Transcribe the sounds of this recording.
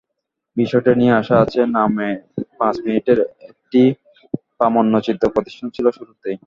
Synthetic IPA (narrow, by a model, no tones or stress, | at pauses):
biʃɔjʈenijeaʃaat͡ɕʰenamepãt͡ɕminiʈeɾek̚ʈi | pamonːot͡ɕid̪ːopɾod̪iʃʈʰant͡ɕʰiloʃuɾut̪ej